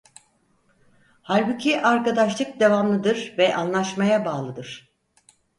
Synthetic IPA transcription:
haɾbucʰiʔaɾkad̪aʃlˠɯk̚d̪e̞vamlˠɯd̪ɯɾvɛʔanlˠaʃmajabaːlˠɯd̪ɯɾ̥

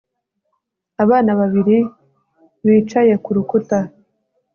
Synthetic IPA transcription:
aβaːnaβaβiɾi | βiːt͡ʃaje̞kuɾukuta

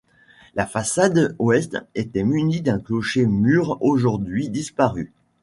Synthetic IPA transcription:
lafasad̪oɛst̪et̪ɛmynid̪ɛ̃klɔʃemyʁoʒuʁd̪ɥid̪ispaʁy

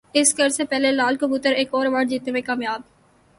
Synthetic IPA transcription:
ɪsɡɐɾsepɛɦlelaːlkobut̪əɾeːkɔːɾʋəɖd͡ʒiːt̪neɦwẽkaːmjaːb

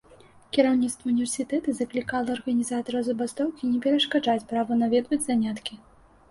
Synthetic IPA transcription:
kʲiɾawnʲit̪st̪vɐunʲivʲɛrsʲit̪ɛt̪ɨzɐklʲikalˠɐːrɣɐnʲizat̪ɐɾɐwzɐbast̪ɔwkʲinʲɛpʲɛɾɐʂkaʐat͡sʲpɾavɐnavʲɛd̪vɐd͡zʲzanʲat̪kʲi

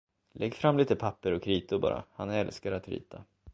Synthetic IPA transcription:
lʔɛɡːfɾamliːt̪əpʰapːəɾɔkʰɾiːt̪ʊɾbɑ̰ːɾa̰hanɛlskaɾat̪ɾḭːt̪ʰa

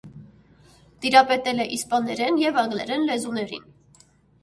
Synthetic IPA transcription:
t̪iɾɑpɛt̪ɛlɛʔispɑnɛɾɛnjɛvɑŋɡlɛ̰ɾɛnlɛzunɛɾḭn

